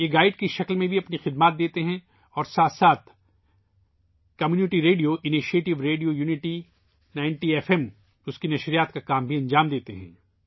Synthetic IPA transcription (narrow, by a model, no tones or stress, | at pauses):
jeːɡaːɪɖkiʃɐklmẽbʱiɐpnixɪd̪maːt̪̚d̪eːt̪eɦɛ̃ | ɔːɾsaːt̪saːt̪̚ʰ | kɐmjuːnɪʈiɾeːɖijoʔɪniʃeːʈɪʋɾeːɖijojuːnɪʈi | naːɪ̃ɳʈieːfɛm | ʊskinɐʃɾijaːt̪kakaːmbʱiɐ̃ɲd͡ʒaːmd̪eːt̪eɦɛ̰̃ː